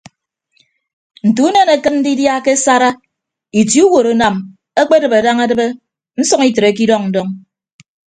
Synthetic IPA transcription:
n̩˨tu˨˦ne˦ne˨kɨ˦tn̩˦di˦dja˦ke˦sa˦ɾa˦ | i˨tju˦wo˨ɾo˨na˨m | e˦k͡pe˦dɨ˨be˨da˦ŋa˦dɨ˦be˦ | n̩˦sɔ˦ŋi˦tɾe˨k̬i˦dɔ˦ŋn̩˨dɔ˦ŋ

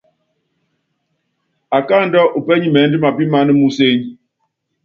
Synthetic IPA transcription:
a˨ka˦˨n̩˦dɔ˦ʔu˨pɛ˦ɲi˦mɛ˨˦n̩˦di˦ma˨pi˦ma˦nɨ˦mu˦se˦ɲ

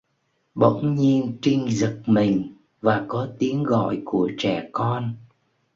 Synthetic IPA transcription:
ɓə̰˧˨wŋ͡mɲi˧ənt͡ɕï˧ŋ̟zɨ˨˩k̚mï˨˩ŋ̟ | vaː˨˩kɔ˨˦t̪i˨˦ənɣɔ̰˧˨jku˧˩ət͡ɕɛ˧˩kɔ˧n

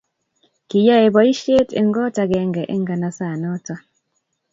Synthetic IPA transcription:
ki˨ja˦e˨bɔ˨i˦ʃe˦tḛ˦˨ŋ˦ɡɔ˦ta˦ɡɛ˨˦ŋɡɛ˨ʔe˦ŋɡa˨na˨sa˦˨nɔ˦tɔ˦

